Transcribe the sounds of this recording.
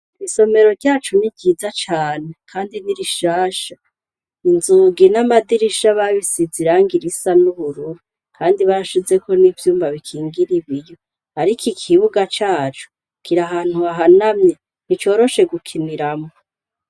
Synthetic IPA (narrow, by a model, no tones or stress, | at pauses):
iβiso̞me̞ɾo̞ɾɟaːt͡ʃuniɟiːzat͡ʃaːnekʰaːndiniɾiʃaːʃḁ | inzuːɡinamadiɾiʃaβaβisiziɾaŋɡiɾisanuβuɾuɾu | kʰaːndiβaɾaʃize̞ko̞nivjuːmbaβikʰiːŋɡiɾiβijo̞ | haɾikʰikʰiβuɡat͡ʃaːt͡ʃu̥ | kʰiɾaɦaːn̥huaɦanamɲe | nit͡ʃo̞ːɾo̞ʃe̞ɡukʰiniɾamo